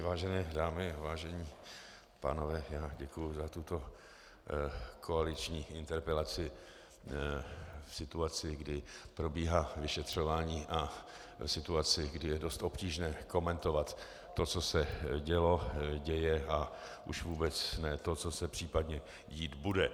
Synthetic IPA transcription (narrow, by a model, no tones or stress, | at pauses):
vaːʒɛnɛːdaːmɪavaːʒɛɲiː | pa̰ːno̞vɛːjaːɟɛkujʊzat̪ut̪o̞ | kʰoalɪt͡ʃɲiːɪnt̪ɛɾpɛlat͡sɪ | fsɪt̪uat͡sɪɡdɪpɾo̞biːɦaːvɪʃɛt̪r̝̥o̞vaːɲiːʔa | fsɪt̪uat͡sɪɡdɪjɛdo̞st̪ʔo̞pciːʒnɛːko̞mɛnt̪o̞vat̪ː | o̞t͡sosɛɟɛlo̞ɟɛjɛʔa | ʔuʃvuːbɛt͡snɛːt̪ot͡sosɛpr̥iːpad̪ɲɛ | jiːt̪budɛ